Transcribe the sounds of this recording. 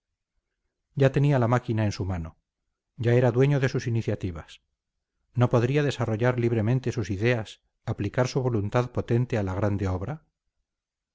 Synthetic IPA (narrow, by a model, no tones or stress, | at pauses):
ɟ͡ʝat̪e̞nialamakinae̞nsumano̞ | ɟ͡ʝae̞ɾaðwe̞ɲo̞ðe̞susiniθjat̪iβas | no̞po̞ðɾiaðe̞saro̞ʝaɾliβ̞ɾe̞mẽnt̪e̞susiðe̞as | aplikaɾsuβo̞lunt̪aðpo̞t̪e̞nt̪e̞alaɣ̞ɾand̪e̞oβɾa